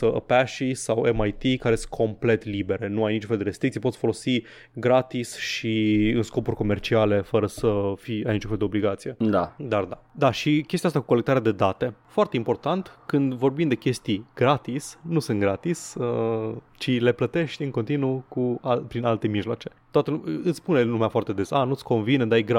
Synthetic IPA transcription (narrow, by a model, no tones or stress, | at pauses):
əə̰pæʃisawemajt̪ikaɾesɨnkʰo̞mple̞t̪libe̞ɾenuajnit͡ʃunfeld̪eɾest̪ɾikt̪ijpotsʲfo̞lo̞si | ɡɾat̪isʃiɨnsko̞purʲko̞me̞rt͡ʃiale̞fəɾəsəfiajnit͡ʃũñfeld̪eobliɡat̪sije̞d̪ad̪ard̪ad̪aʃikʲest̪iast̪aku̥kolek̚t̪aɾead̪ed̪at̪e̞foart̪e̞impo̞rt̪ant̪kɨnd̪vo̞rbind̪ekʲe̞st̪iɡ̥ɾat̪isnusɨnt̪ɡɾat̪isə | t͡ʃile̞plət̪e̞ʃt̪ʲɨŋko̞nt̪inukuapɾinalt̪e̞miʒlwa̰t͡ʃe̞̥t̪oat̪əlumɨt̪spunelumeafoart̪e̞d̪esanut̪sʲko̞nvind̪aajɡɾa